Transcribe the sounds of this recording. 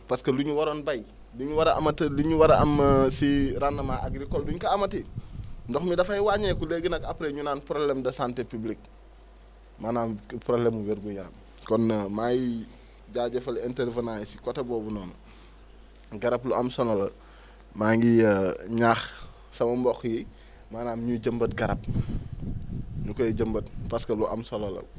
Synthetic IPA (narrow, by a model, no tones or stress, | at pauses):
paskɐluɲuwaɾoːnbaj | luɲuwaɾɐʔa̰mɐtəliɲuwaɾɐamsiɾanːɐmaʔaɡɾikolduɲkaːmɐtindɔxmidɐfajiwaɲekuleɡinɐkapɾeɲunaːnpɾoblemdɐsantepiblik̚ | manaːnpɾoblemuweɾɡuɲaɾɐ̰m | kɔnːmaji | ɟaːɟɐfɐlɛntɛɾvənajsi̥kɔtɐbɔːbunɔːnɐ | ɡɐɾɐpluɐmsɔnɐlɐ | maːŋɡiɲaːx | sɐmɐmbɔxji | maːnaːmɲuɟəmbɐt̚ɡɐɾɐp̚ | ɲukɔjɟəmbɐt̚pɐskɐluʔɐ̰msɔlɐlɐ̰